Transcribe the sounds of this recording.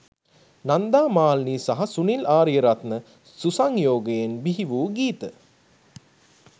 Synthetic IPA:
nand̪aːmaːlniːsaɦasunilaːɾjəɾat̪nə | susaŋjoːɡəjenbiɦiʋuːɡiːt̪ə

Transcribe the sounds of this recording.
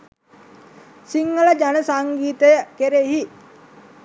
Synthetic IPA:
siŋːələd͡ʒanəsaŋɡiːt̪əjəkeɾeɦi

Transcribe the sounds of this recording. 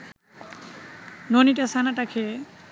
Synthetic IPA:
noniʈasanaʈakʰe

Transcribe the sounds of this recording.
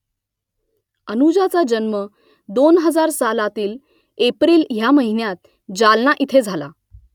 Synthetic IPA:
ənud͡ʑat͡sad͡ʑənmə | d̪onɦəd͡zaɾsalat̪iːl | epɾiːlɦjaməɦinjat̪̚ | d͡ʑalnaʔit̪ʰed͡zʱala̰

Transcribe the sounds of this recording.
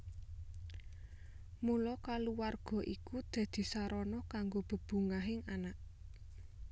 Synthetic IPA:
mulɔkaluwarɡ̥ɔ̤ʔikud̪̥ä̤d̪̥i̤saɾɔnɔkaŋɡob̥ə̤b̥ṳŋaɦɪŋanaʔ

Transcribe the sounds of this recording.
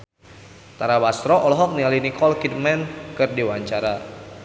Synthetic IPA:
t̪aɾabast̪ɾɔʔɔlɔɦɔk̚nialinikɔlkit̪̚mɛnkɨrdiwaɲt͡ʃaɾa

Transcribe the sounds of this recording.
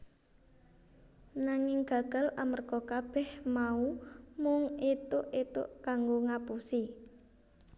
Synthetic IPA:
naŋɪŋɡ̥a̤ɡ̥a̤lamərɡ̥ɔkab̥ɛhmaumʊŋet̪ʊʔet̪ʊ̰ʔkaŋɡoŋapusi

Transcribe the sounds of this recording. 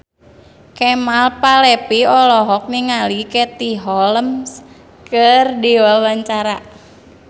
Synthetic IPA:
kɛmalpalɛpiɔlɔɦɔk̚niŋalikɛt̪iɦɔləms | kərdiwawaɲt͡ʃaɾa

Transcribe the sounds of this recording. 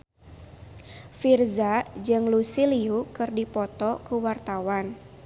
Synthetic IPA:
firzad͡ʒɨŋlusiliukɨrdipɔt̪ɔkuwart̪awan

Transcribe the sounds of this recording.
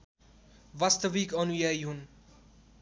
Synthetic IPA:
ʋast̪əʋikʌnujajɦun

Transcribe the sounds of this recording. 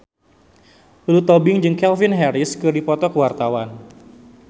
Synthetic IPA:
lut̪ɔbɪŋd͡ʒɨŋkɛlfɪnɦɛɾɪskɨdipɔt̪ɔkəwart̪awan

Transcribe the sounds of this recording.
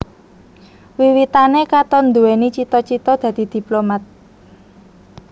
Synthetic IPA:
wiwit̪anekat̪ɔnd̪uwenit͡ʃit̪ɔt͡ʃit̪ɔd̪̥ä̤d̪̥i̤d̪̥i̤plomat̪̚

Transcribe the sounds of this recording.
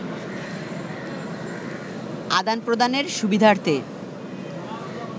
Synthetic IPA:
ad̪anpɾod̪aneɾʃubid̪ʱaɾt̪e

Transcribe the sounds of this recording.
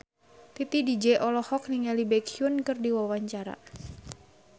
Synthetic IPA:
t̪it̪idid͡ʒɛʔɔlɔhɔk̚niŋalibɛkʰiunkɨrdiwawaɲt͡ʃaɾa̰

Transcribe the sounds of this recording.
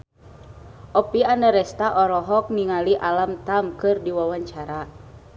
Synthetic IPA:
ʔɔpiandaɾɛst̪aʔɔɾɔɦɔk̚niŋaliʔalamt̪amkɨrdiwawaɲt͡ʃaɾa

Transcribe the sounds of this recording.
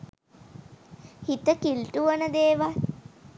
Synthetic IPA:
hit̪əkilʈuʋənəd̪eːʋa

